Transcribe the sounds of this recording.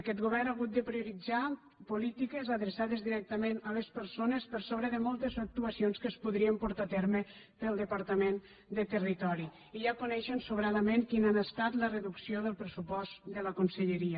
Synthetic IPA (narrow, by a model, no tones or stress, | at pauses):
əkɛt̪ɣuβɛrnaɣut̪̚d̪əpɾiuɾid͡za | pulit̪ikəzəðɾəsaðəzðiɾɛk̚t̪əmenələspəɾsonəspəɾsoβɾəðəmɔlˠt̪əzək̚t̪uəsionskəspuðɾiəmpuɾt̪at̪ɛɾmə | pəlˠd̪əpaɾt̪əmen | d̪ət̪ərit̪ɔɾi | iʒakunɛʃənsuβɾaðəmeŋkinanəst̪at̪lərəðuksioðəlˠpɾəsupɔst̪d̪ələkunsəʎəɾiə